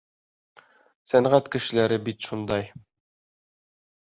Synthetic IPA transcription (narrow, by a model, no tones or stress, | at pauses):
sænʁæt̪kɘ̆ʃɘ̆læɾɘbit̪ʃund̪ɑj